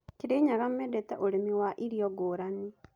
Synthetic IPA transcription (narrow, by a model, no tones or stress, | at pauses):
keɾeɲaɣamɛdɛtɛʔoɾemiwaʔiɾiɔɡoːɾani